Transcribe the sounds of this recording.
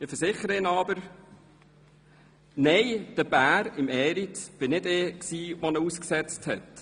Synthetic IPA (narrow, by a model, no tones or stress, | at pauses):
ɪfəɾsɪχəɾəɪnɑbəɾ | nɛɪd̥əb̥æːɾɪmɛːɾitb̥ɪnɪdeːksiːʋɔnəusksɛt͡sthɛt